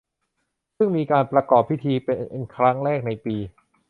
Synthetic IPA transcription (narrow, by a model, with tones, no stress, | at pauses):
sɯ˥˩ŋmiː˧kaː˧npɾa˧kɔː˨˩pʰːi˦˥˩t̪ʰiː˧pe˧nʔe˧nkʰɾa˦˥ŋɾɛː˥˩k̚na˧jpiː˧